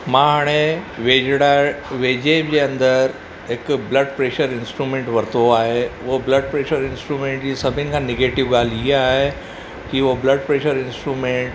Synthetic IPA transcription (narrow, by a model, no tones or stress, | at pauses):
mãɦaːɽ̃eʋed͡ʑɽaʋeːd͡ʑebd͡ʑeɐ̃nd̪əɾ | ɦekbləɖpɾeːʃəɾɪnsʈɾumẽːɳʈʋɐɾt̪oaːɦeʋobləɖ̚pɾeːʃəɾɪnsʈɾumẽːɳʈd͡ʑiːsɐbʱinkʰãneɡeʈiʋɡaːliɦeaɦe | kiʋobləɖpɾeːʃəɾɪnsʈɾumẽɳʈ